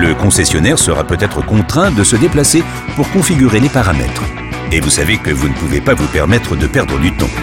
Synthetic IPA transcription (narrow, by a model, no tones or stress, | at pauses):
ləkɔ̃sɛsjɔnɛʁsəʁa̰pøt̪ɛt̪χəkɔ̃t̪χɛ̃d̪əsəd̪eplase | puʁkɔ̃fiɡʲyʁelepaʁamɛ̰t̪χ | evusavekəvunəpuvepavupɛʁmɛt̪χəd̪əpɛʁd̪ʁəd̪yt̪ɔ̰̃